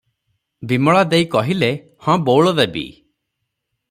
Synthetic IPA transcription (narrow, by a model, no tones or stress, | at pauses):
bimɔɭad̪ejkɔɦile | hɔ̃bowɭɔd̪ebḭ